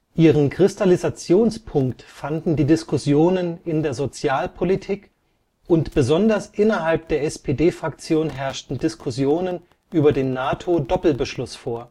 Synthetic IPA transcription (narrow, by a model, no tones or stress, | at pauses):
ʔiːʁ̞ənkʁ̥ɪstalizat͡sjoːnspʰʊŋktfandn̩diːdɪskʊsjoːnənɪndeːɐzot͡sjaːlpʰolitʰiːk | ʔʊntb̥əzɔndɐsʔɪnɐɦalp̚d̥eːɐɛspʰedeːfʁ̥akt͡sjoːnɦɛɐʃtn̩dɪskʰʊsjoːnən | ʔyːbɐdeːnːaːtʰodɔpl̩bəʃlʊsfoːɐ